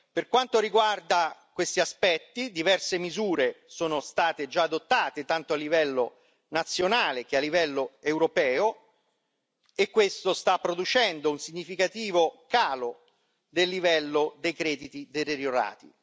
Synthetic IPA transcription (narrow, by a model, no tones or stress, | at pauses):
perkwant̪oɾiɡward̪akwest̪iaspɛt̪ːid̪ivɛrsemizuːɾesoːnost̪aːt̪ed͡ʒaːd̪ot̪ːaːt̪et̪ant̪oalːivɛlːo | nat̪sːjonaːlek̟ealːivɛlːoɛwɾopɛːo | ekːwest̪ost̪apːɾod̪ut͡ʃɛnd̪ounsiɲːifikat̪iːvokaːlo | d̪elːivɛlːod̪ejkɾɛːd̪it̪id̪et̪eɾjoɾa̰ːt̪ḭ